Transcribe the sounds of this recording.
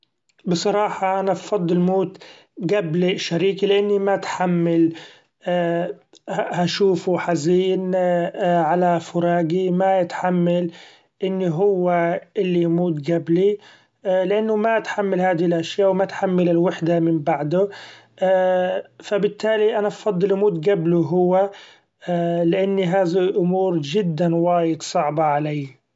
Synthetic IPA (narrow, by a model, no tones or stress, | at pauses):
bɨsˤɑɾˤɑːħɑʔanabfɑd̪ˤːɨlmoːt̪ | ɡabliʃaɾiːkilɪʔanːimat̪ħamːalː | haʃuːfuħaziːn | ʕalafʊɾˤɑːɡimajɪt̪ħamːal | ʔɪnːiɦʊwːaʔɪlːimuːt̪ɡabli | lɪʔanːʊmaʔat̪ħamːalhaːðɪɪlʔaʃjaːwmat̪ħamːalɪlwaħd̪amɪmbaʕd̪ʊ | fabɪt̪ːaːliʔanafɑd̪ˤːɨlʔmuːt̪ɡabluɦʊwːa | lɪʔanːiɦaːðiʔʊmuːɾd͡ʒɪd̪ːanwaːjɪd̪sˤɑʕbɑʕalaː